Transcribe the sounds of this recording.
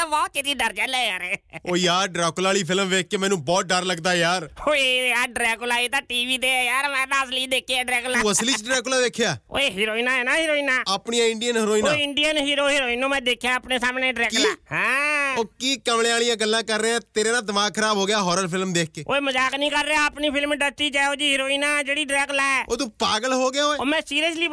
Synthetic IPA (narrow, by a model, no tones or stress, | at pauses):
ʋaːt͡ʃɪt̪iːɖəɾd͡ʒalɛːjaːɾɛːoːjaːɾɖɾaːkʊlaːɭiːpʰɪlmʋeːk̚ʰkeːmɛːnũːbɔːt̪̚ɖəɾləɡd̪aːjaːɾoːeːjaːɾɖɾɛːkʊlaːiːt̪ãːʈiːʋiːt̪̬eːjaːɾmɛ̃ːd̪aːsliːd̪eːkʰeɛːɖɾɛːkluːəsliːt͡ʃɖɾɛːk̬ʊlaːʋeːkʰjaːo̰ːeːɦɪːɾoːinaːɛːnaːɦɪɾoːiːnaːəpɳijãːɪɳɖijənɦɪɾoːinãːɪɳɖijənɦɪːɾoːɦɪɾoːɪnõːmɛ̃ːd̪eːkʰjaːpneːsaːmneːɖɾɛːkihɛ̃ːoːkiːkəmlẽːaːlɪjãːɡəlːãːkəɾːeːɛ̃ːt̪eːɾeːnãːd̪əʋaːkʰəɾaːbɦoːɡɪjaːɦɔːɾəlpʰɪlmd̪eːkʰkeːo̰ːeːməzaːknĩːkəɾːeaːəpniːpʰɪlmɖəɾt͡ʃiːt͡ʃɛːoːd͡ʒiːɦɪɾoːiːnãːd͡ʒeːɽiːɖɾɛːklaːɛːoːt̪ũːpaːɡəlɦoːɡɪjaːoːeːoːmɛ̃ːsiːɾəsliː